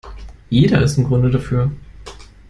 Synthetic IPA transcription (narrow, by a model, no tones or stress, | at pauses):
jeːdɐɪstɪmɡʁʏndədafyːɐ